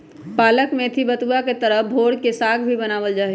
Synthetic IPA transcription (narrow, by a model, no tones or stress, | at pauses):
paːləkmẽt̪ʰibɐt̪uaket̪ɐɾəɦbʱoːɽkesaːɡbʱibɐnaːʋəld͡ʒaːɦe